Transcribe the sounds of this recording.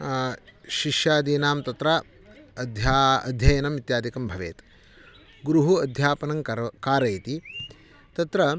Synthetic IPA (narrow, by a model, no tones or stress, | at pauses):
ʃiʃjaːd̪iːnaːmt̪ɐt̪ɾɐ | d̪ʱjaːɐ̰d̪ʱjɐjɐnɐmit̪jaːd̪ikɐmbʱɐʋḛːt̪ | ɡɾuɦuɐd̪ʱjaːpɐnɐŋkkaːɾɐjɐt̪i | t̪ɐt̪ɾɐ